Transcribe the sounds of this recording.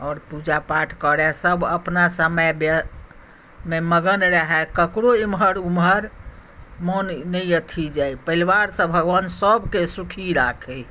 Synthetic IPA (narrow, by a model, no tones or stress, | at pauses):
ɔːɾpud͡ʒapaʈʰkəɾɛsəbəpnasəməjbə | meməɡənɾəɦɛkəkɾoimɦəɾumɦəɾ | monnəijət̪ʰid͡ʒajpəilwaɾsə̃bʱəɡwansəbʱkesukʰiɾakʰɛ